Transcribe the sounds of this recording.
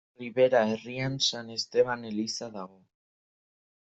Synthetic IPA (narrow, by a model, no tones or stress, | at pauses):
riβe̞ɾae̞riansane̞st̪e̞βane̞lisaðaɣo̞